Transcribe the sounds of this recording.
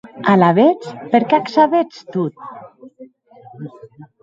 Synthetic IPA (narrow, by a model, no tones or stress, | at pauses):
alaβet͡speɾkeaksaβet͡st̪ut̪̚